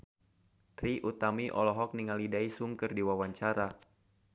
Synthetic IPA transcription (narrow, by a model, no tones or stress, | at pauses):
t̪ɾiʔut̪amiʔɔ̰lɔɦɔk̚niŋalidaisuŋkɨrdiwawaɲt͡ʃaɾa